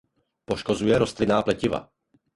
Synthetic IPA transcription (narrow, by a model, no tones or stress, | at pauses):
poʃkozujɛɾost̪lɪnaːplɛcɪva̰